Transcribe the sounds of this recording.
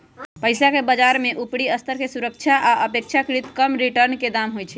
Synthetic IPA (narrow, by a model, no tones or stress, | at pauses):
pəɪsakebəd͡ʒaɾmeʔupɽiəst̪ʰəɾkesuɾəkt͡ʃʰaʔaʔəpekt͡ʃʰakɾit̪kəmɾiʈəɾnked̪amɦojt͡ʃʰɛ